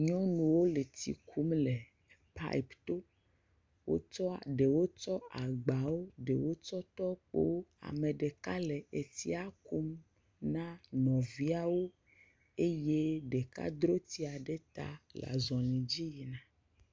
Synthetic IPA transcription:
ɲɔ̃˦nũ˨wo˦le˨t̪ḭ˨kʰu˦mle˨ | pa̰˦i˨pt̪o˦ | wo̰˦t͡ʃɔ˦a˨ɖe˨wo˦t͡ʃɔ˦a˨ɡ͡ba˨wo˦ɖe˨wo˦t͡ʃɔ˦t̪ɔ˦k͡po̰˦wo˦a̰˨me˨ɖe˨ka˦le˨e˨t̪i˦a˨ku˦m | nã˦nɔ̃˨vi˦a˦wo˦ | e˦je˦ɖe˨ka̰˦d̪ɾo˦t̪i˦a˨ɖe˦t̪a̰˦la̰˨zɔ̃˨lĩ˨d͡ʑi˦ji˨nã˦

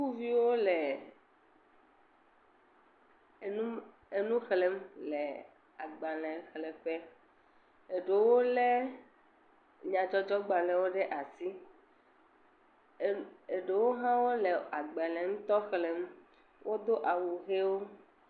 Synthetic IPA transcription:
xu˦vi˦wo˦lɛ˨ | nũ˦ | e˨nũ˦xle˨˦mlɛ˨ | a˨ɡ͡ba˨lɛ̃˨xlɛ˨ɸɛ˦ | e˨ɖe˨wo˦lɛ˦ | ɲã˨d͡ʒɔ˦d͡ʒɔ˦ɡ͡ba˨lɛ˨wo˦ɖɛ˦ʔa˨si˦ | e˨ɖe˨wo˦ɦã˦wo˦lɛ˨a˨ɡ͡ba˨lɛ̃˨ŋũ˦t̪ɔ˦xle˦m | wʔo˦d̪o˦ʔa˨wu˨ɦe˦wo˦

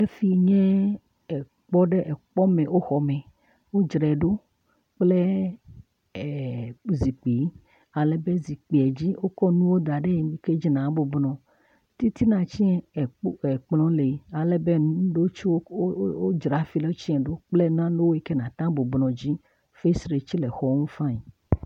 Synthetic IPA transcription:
e˦fi˨˦ɲɛ̃˦ | ɛ˨ | k͡pɔ˦ɖɛ˦ʔɛ˨k͡pɔ˦mɛ̃˨wʔo˦xɔ˨mɛ̃˨ | wo˦d͡ʒɾɛ˨ɖo˦ | k͡ple˦˨ | zi˨k͡pi˨˦ | a˨le˦be˦zi˨k͡pi˨ɛ˨d͡ʑi˦wʔo˦kɔ˦nũ˦wo˦d̪a˨ɖe˦˨mi˨ke˦d͡ʒi˦nã˨˦bo˨bnɔ̃˨ | t̪i˦t̪i˦nã˨t͡ɕi˦ɛ˨˦ɛ˨k͡plɔ̃˦le˨a˨lɛ˦be˦nũ˦ɖo˦t͡ʃi˦wo˦o˦d͡ʒɾa˨fi˦le˦o˦t͡ɕi˦ɛ̃˨ɖo˦k͡ple˦nã˦no˦wo˦e˦ke˦nã˨t̪ã˦bo˨bnɔ̃˨d͡ʑi˦ | fe˦sɾe˨t͡ɕi˦lɛ˨xɔ˦ŋũ˦fã˦i˨

